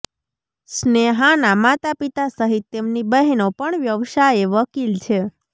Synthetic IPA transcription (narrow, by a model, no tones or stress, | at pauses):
sneɦanamat̪apit̪asəɦit̪ːemnibəɦɛnopəɳʋjəʋʃajeʋəkilt͡ʃʰe